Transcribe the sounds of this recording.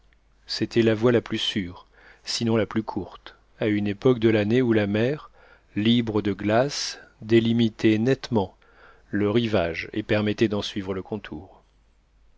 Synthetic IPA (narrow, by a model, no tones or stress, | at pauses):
set̪ʰɛlavwalaplysyːʁ | sinɔ̃laplykʰuʁt̪ | aynepɔk̚d̪əlaneulamɛʁ | libʁəd̪əɡlasd̪elimit̪ʰɛnɛt̪mɑ̃ | ləʁivaʒḛpɛʁmɛt̪ɛd̪ɑ̃sɥivʁələkʰɔ̃t̪ʰuːʁ